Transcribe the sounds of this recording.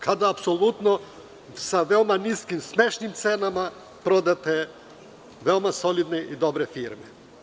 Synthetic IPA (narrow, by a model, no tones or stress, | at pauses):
kʰad̪aːpsolˠut̪nɔ | saʋɛomaniskimsmɛʃnimt̪sɛnama | pɾod̪at̪ɛ | vɛomasolid̪nɛʔid̪obɾɛfiɾmɛ